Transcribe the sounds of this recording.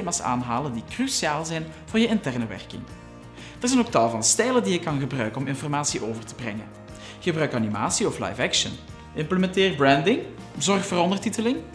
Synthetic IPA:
maːsa̰ːnɦaːləndikrysiaːlˠzɛjnv̥ʊːrjəɪntɛrnəʋɛ̰rkɪ̰ŋ | d̥ərzɛnoːktɑlˠvɑnstɛjləndijəkːɑnɣəbrœɥkənɔmɪnfɔrmaːsiʔoːvərtəbrɛ̰ŋə̰n | ɣəbrœɥkɑnima̰ːsiɔfla̰jfɛkʃə̰n | ɪmpləmɛntɪːrbrɛndɪŋ | zɔrxfoːrɾɔndərtitəlɪŋ

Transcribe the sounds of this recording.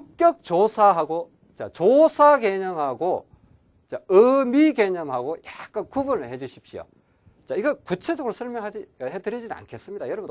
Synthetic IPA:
uk͈jʌk̚t͡ɕosʰaɦaɡo | t͡ɕa̰t͡ɕosʰake̞ɲʌŋɦaɡo | t͡ɕaɯmike̞ɲʌŋɦaɡojak͈̚ankubunɯɭhe̞d͡ʑuɕʰip̚ɕio̰ | t͡ɕaiɡʌkut͡ɕʰe̞d͡ʑʌɡɾosʰʌɭmjʌŋɦad͡ʑiɦedɯɾid͡ʑinɯna̰nkʰe̞s͈ɯmɲida̰jʌɾʌbun

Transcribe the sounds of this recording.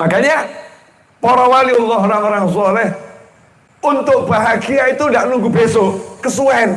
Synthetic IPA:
makaɲa | poɾawaliɔlːɔɦoɾaŋoɾaŋs̬ɔlɪh | unt̪ʊk̚b̥aɦaɡiait̪undaʔnuŋɡubesokəsuan

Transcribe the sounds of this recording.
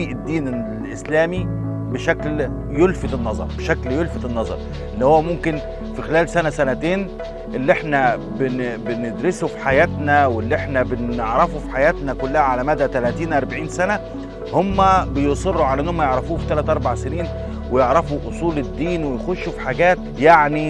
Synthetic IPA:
iːʔed̪ːiːne | ʔeslæːmi | beʃækl | jolfet̪enːɑzˤɑ̰ɾˤbeʃækljolfet̪enːɑzˤɑ̰ɾˤ | ʔelːihowːæmomken | fixelæːlsænæsænæt̪eːn | ʔelːiʔeħnæ | bebened̪ɾesufi̥ħajæːt̪næwelːiʔeħnæbeneʕɾɑfufi̥ħajæːt̪nækʊlːæhæʕalæmæd̪ːæt̪ælæːt̪iːnʔɑɾˤbaʕiːnsænæ | homːæbejosˤerːuʕalæʔenːhomːæjeʕɾˤɑfuːfit̪ælæt̪ʔɑɾˤbaʕseniːn | wejeʕɾɑfuʔosˤuːled̪ːiːnwejxoʃːufi̥ħaɡæːt̪ | jaʕni

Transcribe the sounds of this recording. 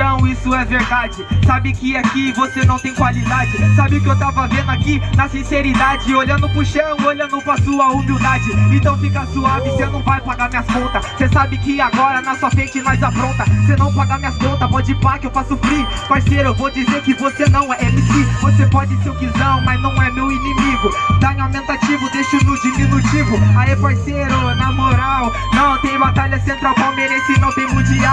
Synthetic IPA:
ɐ̃w̃isʊɛveɾd̪ad͡ʒɪsabɪkɪakɪvosenɐ̃w̃t̪ẽj̃kwalid̪ad͡ʒɪsabɪʊkɪewt̪avɐvẽnd̪ʊakinɐsĩseɾid̪ad͡ʒɪoʎɐ̃nd̪ʊpɾʊʃɐ̃w̃oʎɐ̃nd̪ʊpɾɐsuɐumiwd̪ad͡ʒɪẽnt̪ɐ̃w̃fikɐsuavɪsenɐ̃w̃vajpaɡaɾmĩɲɐskõnt̪ɐssesabɪkɪaɡɔɾɐnɔsuɐpẽnt͡ʃɪmajzapɾõnt̪ɐsenɐ̃w̃paɡamĩɲɐskõnt̪ɐpɔd͡ʒɪpaɾkɪewpɾasufɾipaɾsejɾʊewvod͡ʒizeɾkɪvosenɐ̃w̃ɛpʊkɪvosepɔd͡ʒɪsewkizɐ̃wmɐznɐ̃w̃ɛmewinimiɡʊt̪aẽamẽnt̪at͡ʃivʊd̪est͡ʃɪnʊd͡ʒimĩnut͡ʃivʊaipaɾsejɾʊnamoɾaw | nɐ̃w̃t̪ẽj̃bat̪aʎɐsẽnt̪ɾawpawmeɾɛsɪnɐ̃w̃t̪ẽj̃ʊ̃d͡ʒiɐ

